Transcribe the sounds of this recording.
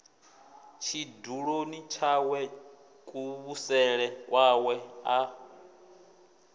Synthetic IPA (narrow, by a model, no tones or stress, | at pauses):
t͡ʃʰiduɺonit͡ʃʰawɛ | kʼuβusɛɺɛwʔawɛa